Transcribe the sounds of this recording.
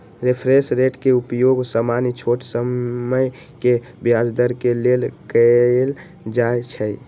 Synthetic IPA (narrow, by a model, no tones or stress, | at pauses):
ɾepʰɾesɾeʈkeupjoɡsamanit͡ʃʰoʈsəməj | ke | bjad͡ʒd̪əɾkelelkəl | d͡ʒaet͡ʃʰə